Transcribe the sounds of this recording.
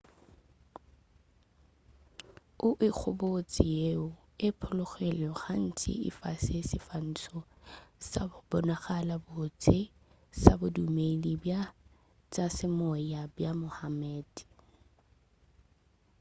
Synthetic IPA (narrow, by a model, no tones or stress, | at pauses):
ʊʔɪk͡xʰʊbot͡sʼɪjeʊ | ɪpʰʊlʊχelʊχan̩t͡sʰɪ̰ɪ̰fasɪsɪfan̩t͡sʰɔ | sabʊbɔnaɣalabot͡sʰʼɪ | sabʊdumelibja | t͡sʼasɪmɔjabjamʊhamɛːd